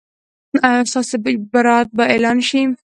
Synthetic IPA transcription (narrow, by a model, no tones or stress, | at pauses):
aast̪ɑsebaɾɑat̪̚baelɑnʃi